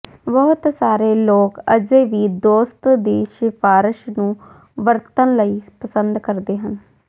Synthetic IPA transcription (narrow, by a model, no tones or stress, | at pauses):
bɔːʊt̪saːɾeːloːkəd͡ʒeːʋiːd̪oːst̪d̪iːʃɪpʰaːɾəʃnũː | ʋəɾt̪ənləiːpəsənd̪kəɾd̪eːɦən